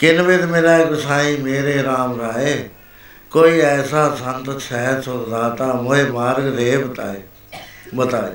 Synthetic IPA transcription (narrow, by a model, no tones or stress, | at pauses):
kɪnʋɪd̪meːɾaːekəsaːĩmeːɾeɾaːmɾaːeː | koːiːɛːsasənt̪ʃɛɦəɾsʰʊɡd̪aːt̪aːmʊemaːɾɡɾeːbət̪a̰ːeː | bət̪a̰ː